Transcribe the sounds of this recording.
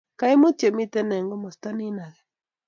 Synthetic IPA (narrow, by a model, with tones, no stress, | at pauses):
ka˦i˦mo˦t͡ʃe˨mi˦tɛ˦nɛ˨ŋɡo˦mo˨sta˦ni˦na˨ɣɛ˨